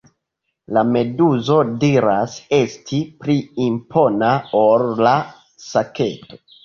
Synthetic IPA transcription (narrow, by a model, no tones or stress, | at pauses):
lame̞duzo̞diɾase̞stʰipɾiːmpʰo̞naolla | sake̞̰to̞